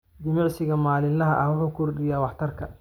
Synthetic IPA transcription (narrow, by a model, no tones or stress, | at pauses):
d͡ʒɐmɪʕsɪɣɐmaːlɪnlɐɦɐʔɐhwʊħuːkʰʊrɖɪjaːwɑħt̪ʰɐrkʰɐ